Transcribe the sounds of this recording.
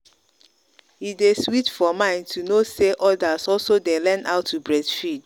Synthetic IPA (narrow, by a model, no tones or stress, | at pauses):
ideswitfɔmãɪ̃ntʰunoseʔɔdazɔlsodelɛ̃naʊtʰːubɹɛdfid̥